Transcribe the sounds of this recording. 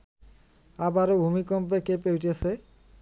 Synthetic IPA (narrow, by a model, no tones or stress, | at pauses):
abaɾobʱumikɔmp̬ekepewtesʰe